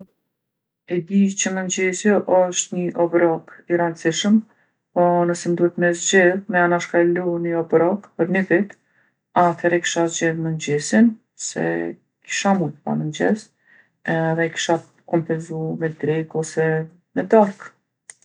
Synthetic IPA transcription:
ɛd̪it͡ɕəmənd͡ʑɛsjɛʔɔʃt̪ɲəʔɔbɾɔkiɾansiʃəm | pɔnəsɛnd̪uhɛt̪mɛzd͡ʒɛðmɛanaʃkalunəɔbɾɔkpəɾnəvit̪ | aθɛɾɛki̥ʃazd͡ʒɛðmənd͡ʑɛsin | sɛ̰ | ki̥ʃamut̪əpa̰mənd͡ʑɛs | ɛðɛki̥ʃa | kɔmpɛnzumɛd̪ɾikɔsɛ | mɛd̪aɾk

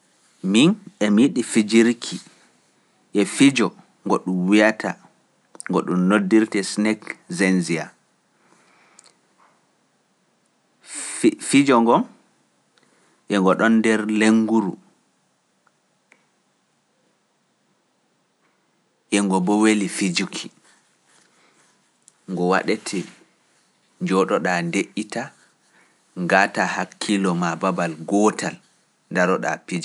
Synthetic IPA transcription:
minɛmiɗifid͡ʒiɾkʰi | ʔɛfid͡ʒɔ | ŋɡɔɗumwijatʰa | ŋɡɔɗumnodːiɾtɛsnɛkzɛnzia̰ | fid͡ʒɔŋɡɔm | ʔɛŋɡɔɗɔndɛɾleŋɡuɾu | ʔɛŋɡɔbɔwelifid͡ʒukʰi | ŋɡɔwa̰ɗɛtʰɛ | d͡ʒɔɗɔɗandeʔita | ŋɡaːtahakʰːilɔmababalɡɔːtʰal | ndaɾɔɗa̰pid͡ʒɔ

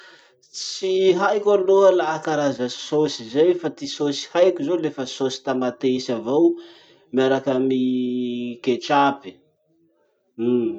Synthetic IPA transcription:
t͡siɦajkʲaloəlaːkaɾazə̥sosizajfat̪isosi̥hajkʲizolefəsosi̥t̪amat̪esavaw | miaɾakami | ket͡ʃapi̥

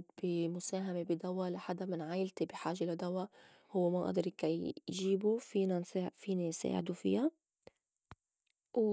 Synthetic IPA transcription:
d̪bimʊsaːɦamebid̪awalaħad̪amɪnʕaːjɪlt̪ibiħaːʒelad̪awa | hʊwːemaʔa̰d̪ɾikajʒiːbufiːnanfiːninsa̰ːʕɪ̰d̪ufɪ̰ja | w

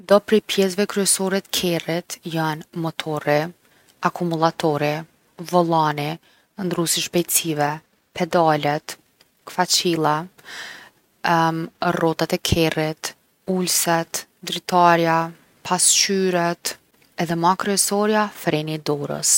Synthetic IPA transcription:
d̪ɔpɾɛpjɛsvɛkɾyɛsɔɾɛt̪kʰɛrit̪janmɔt̪ʰɔɾi | akʰumulˠat̪ʰɔɾi | vɔlˠani | nd̪ɾusiʃbɛjtt͡sivɛ | pʰɛd̪alɛt̪ | kfat͡ɕilˠa | rɔt̪at̪ɛkʰɛrit̪ | ulsɛt̪d̪ɾit̪aɾja | pʰast͡ʃyɾɛt̪ | ɛðɛmakɾyɛsɔɾjafɾɛnid̪ɔɾə̰s

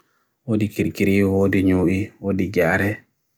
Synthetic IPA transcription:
wodikiɾkiɾiwoːdiɲuʔiwodiɡaːɾɛ

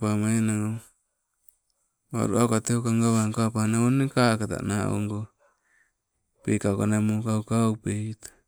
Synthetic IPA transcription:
pamaenaŋo | βa̰ɾṵaukat̪eokaŋɡaβaŋkoapanaonikakat̪a̰nao̰ŋɡo | peikawkanamukaukaupet̪ḁ

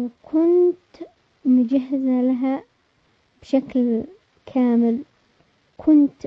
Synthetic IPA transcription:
wkʰʊnt̪ | mʊd͡ʒaɦːɪzalaɦa | b̥ʃakl | kʰaːmɪl | kʰʊnt̪

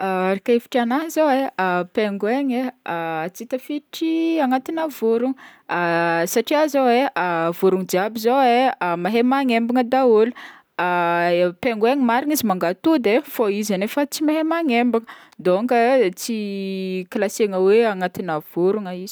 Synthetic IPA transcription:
aaɾikaefi̥ʈ͡ʂanaɦzoeapeŋɡweɲe | t͡sit̪əfiʈ͡ʂiaŋat̪inavuɾuŋ | saʈ͡ʂiazoweavuɾuŋd͡ʒiabizoemaɦemaŋembiŋəd̪aolu̥ | peŋɡeɲimaɾinizimaŋɡat̪ud̪efoizanefət͡simaɦemaŋembiŋə | d̪oŋɡət͡sikilaseŋəweaŋat̪inav̥uɾuŋəiz̥i̥

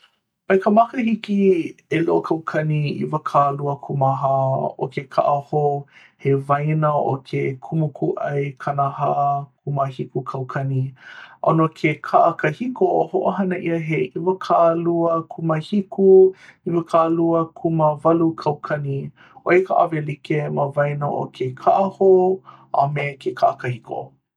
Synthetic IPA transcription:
oekəmakəhikieloʔokʰɐwkʰɐniḭvəkʰaluəkʰumaɦao̰kekʰa̰ʔaho | hevajnəo̰kʰekʰumukʰuʔɐjkʰanahakʰuməhikukʰɐwkʰɐniʔonokʰekʰaʔəkəhikoohoʔoɦɐnəʔiəɦeʔivɐkʰaʔluəkʰuməhikuivəkʰaluəkʰuməvɐlukʰɐwkʰɐni | ʔoekʰaʔavelikeməvɐjnəʔo̰kʰekʰaʔahoʔa̰mekʰekʰaʔɐkəhikʰo̰

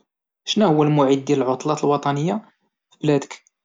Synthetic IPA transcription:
ʃnæhʊwːælmʊʕid̪̚dːjæləlʕʊt̪ˤlɑt̪lwɑt̪ˤɑnəjːa | fiblæd̪ək

